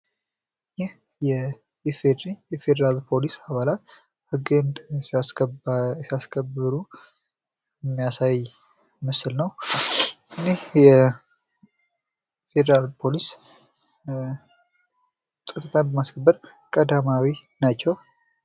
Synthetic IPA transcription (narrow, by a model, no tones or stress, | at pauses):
jɪh | jɛ | jɛfed̪ɾijɛfe̞d̪eɾalpʰo̞lisaβalat̪ | hɨɡɨnd̪as | siaskʰəbɨɾu | ɛmːijasaj | məsɨlnəw | ʔʔɨnehjɛ | fe̞d̪əɾalpʰo̞lis | sʼɨt̪ʼːət̪ʰanbəmaskʰəbːəɾ | kʼəd̪amawi | nat͡ʃːɛw